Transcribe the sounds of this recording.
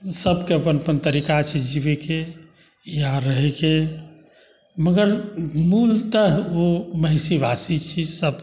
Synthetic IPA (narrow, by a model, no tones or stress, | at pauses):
səbkeəpənəpənt̪əɾikat͡ʃʰɛd͡ʒibeke | jaɾəɦeke | məɡəɾmult̪əɦoməɦɪsibasit͡ʃʰisəb